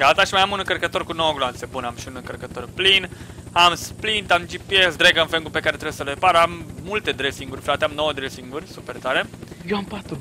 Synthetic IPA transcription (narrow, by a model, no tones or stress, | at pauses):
ɡat̪aʃimajamunɨŋkərɾkət̪o̞rkunowəɡloanse̞bunamʃiunɨŋkərkət̪o̞rplin | amsplint̪amd͡ʒipjesd̪ɾeɡəɨnfeŋɡupe̞kaɾet̪ɾewjesəlepaɾəamːult̪e̞d̪ɾesiŋɡurʲfɾat̪eamno̞wəd̪ɾesiŋɡurʲsupert̪aɾe̞jewampat̪ɾu